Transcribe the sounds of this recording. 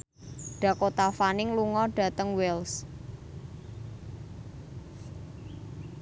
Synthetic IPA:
ɖ̥ä̤kot̪afanɪŋluŋɔɖ̥a̤t̪əŋwɛls

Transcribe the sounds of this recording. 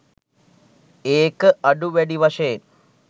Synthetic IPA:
eːkɨɐɖuʋeɽiʋɐʂen

